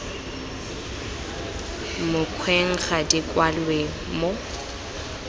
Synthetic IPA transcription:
mʊkʰwɛŋ̩ɣadɪkʼwalwe | mo

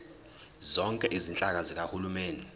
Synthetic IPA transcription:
zɔŋkʼɛʔizint͡ɬʼak̬azik̬ʼahulumeːndɛ

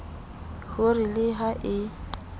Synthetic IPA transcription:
hʊrɪlɪɦaʔɪ

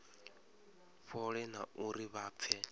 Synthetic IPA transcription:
ɸɔɺɛnaʔuɾiβaːp̪fʰɛ

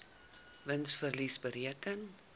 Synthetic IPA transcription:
vənsfərlisbəɾiəkən

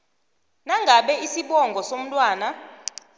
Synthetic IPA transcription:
naŋɡʱaɓɛisiɓɔŋɡʱɔsom̩tʼwaːna

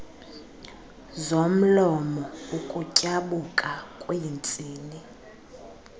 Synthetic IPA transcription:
zom̩lɔmɔukʼucʼaɓukʼakʼweint͡sʼiːni

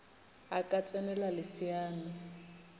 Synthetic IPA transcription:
akʼat͡sʼɛnɛlalɪsiaːnɪ

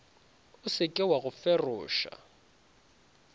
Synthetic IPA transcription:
ʊsɪkʼɪwaɣʊfɛrʊːʃa̰

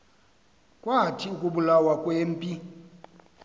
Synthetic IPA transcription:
kʼwatʰiukʼuɓulawakʼweːm̩pʼi

